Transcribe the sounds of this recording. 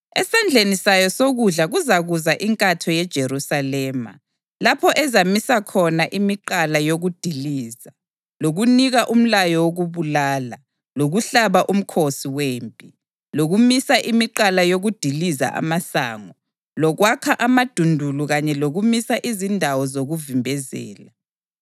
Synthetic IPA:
ɛsand͡ɮʱenisajɔsoɣuɮaɣuzaɣuzaʔiŋkʼatʰɔjɛd̥ʒ̥ʱeɾusalɛːma̰ | lapʰɔʔɛzamisakʰɔnaʔimiǃalajoɣud̥ʱiliːza | loɣuniɣaʔum̩lajɔwoɣuβulaːla | loɣuɬaβaʔum̩kʰosiweːmpʼi | loɣumisaʔimiǃalajoɣud̥ʱiliza̰ʔa̰masa̰ːŋɔ | lɔɣwakʰaʔamad̥ʱundʱuluɣaɲɛloɣumisaʔizindʱawɔzoɣuvimbʱɛzɛ̰ːla

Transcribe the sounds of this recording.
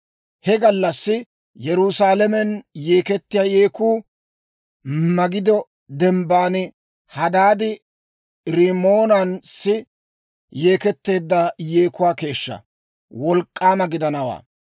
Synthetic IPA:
hɛɡɐlːɐsːɪ | jɛɾusaːlɛmɛnje̞ːkɛt̪ːɪjaːjeːkuː | mɐɡɪd̪ɔ | d̪ɛmbaːnɪ | hɐd̪aːd̪ɪ | ɾɪmoːnɐnsɪ | jeːkɛt̪ːe̞ːd̪ːɐjeːkʊwaːke̞ːʃːɐ̰ | wɔlkʼːaːmɐɡɪd̪ɐnɐwa̰ː

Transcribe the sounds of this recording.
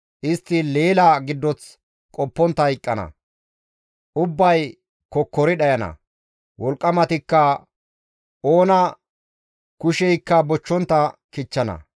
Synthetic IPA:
ʔɪst̪ːɪle̞ːlaɡɪd̪ːɔt͡s | kʼɔpːɔnt̪ːɐɪkʼːɐnɐ̰ | ʔʊbːɐj | kɔkːɔɾɪɗɐjɐnɐ̰ | wɔlkʼːɐmɐt̪ɪkːɐ | o̞ːnɐ | kʊʃɛjkːɐbɔt͡ʃːɔnt̪ːɐkɪt͡ʃːɐnɐ̰

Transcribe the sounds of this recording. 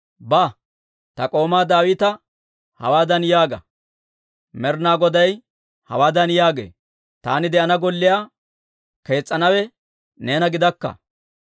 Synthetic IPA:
ba | t̪ɐkʼo̞ːmaːd̪aːwɪt̪ɐ | hɐ̰waːd̪ɐnjaːɡɐ | mɛɾnaːɡɔd̪ɐj | hɐ̰waːd̪ɐnjaːɡḛː | t̪a̰ːnɪd̪ɛʔɐnɐɡɔlːɪjaː | ke̞ːt͡sʼːɐnɐwɛ | ne̞ːnɐɡɪd̪ɐkːɐ̰

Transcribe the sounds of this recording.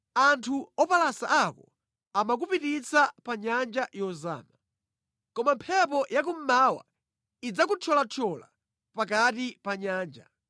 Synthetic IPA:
antʰuɔpalasaʔakɔ | amak̬upitit͡sapaɲand͡ʒajɔza̰ːma | kɔmampʰɛp̬ɔjak̬um̩maːwa̰ | id͡zakut͡ʃʰɔlat͡ʃʰɔla̰ | pakatipaɲaːnd͡ʒa̰

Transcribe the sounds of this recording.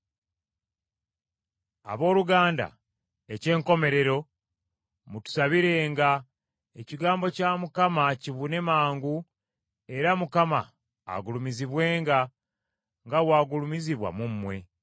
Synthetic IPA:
a̰βo̞ːluɡaːnda̰ | ece̞ːŋko̞me̞ɾe̞ɾo̞ | mutu̥saβiɾe̞ŋɡa | eciɡaːmbo̞camukamaciβune̞maːŋɡu | e̞ɾamukama̰ː | ɡulumiziβwe̞ːŋɡa | ŋɡawaːɡulumiziβwa̰mumːwe̞

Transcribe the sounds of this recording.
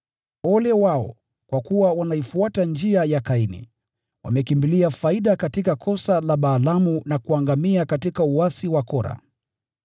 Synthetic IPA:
ɔlɛwaɔ̰ | kwakuwawanaifuatand͡ʒiajakainḭ | wʔa̰mɛkimbiliafaiɗakatikakʰɔsalaɓaːlamunakuaŋɡamiakatikauasiwakɔɾa̰

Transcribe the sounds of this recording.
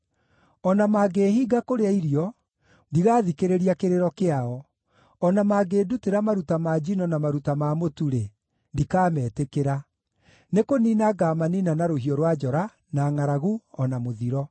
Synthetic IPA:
ɔnamaːɡehiːɡakoɾeaiɾiɔ | diɣaːðikeɾeɾiakeɾeɾɔkeaɔ | ɔnamaɡeduteɾamaɾutamad͡ʑinɔnamaɾutamamotuɾe | ndikaːmɛːtekeɾa | nekoninaɡaːmaninanaɾoɦiɔɾwad͡ʒɔɾa | naŋaɾaɣuɔnamoðiɾɔ

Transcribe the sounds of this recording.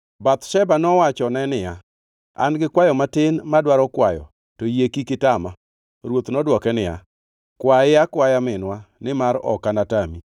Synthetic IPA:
bat̪ʃɛbanɔwat͡ʃɔnɛnɪja | a̰nɡɪkwajɔmatɪnmadwaɾɔkwajɔ̰ | tojekikɪtama | ɾwot̪nɔdwɔkɛnɪja̰ | kwaɪjakwajamɪnwanɪmaɾɔ̰kanatami

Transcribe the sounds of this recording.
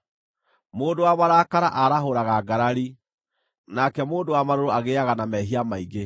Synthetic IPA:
moːndowamaɾaːkaɾaʔaɾaɦoɾaɣaɡaɾaɾi | nakɛmoːndowamaɾoɾoaɣeaɣanamɛɦiamaiɡe

